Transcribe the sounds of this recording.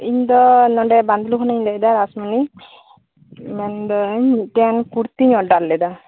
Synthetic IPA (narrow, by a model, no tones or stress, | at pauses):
iɲd̪ɔnɔɳɖɛband̪lukʰɔnaɲlɛd̪aɾasmuni | mɛnd̪ɔɲiʈɛankuɾt̪iɲɔɖalːɛd̪a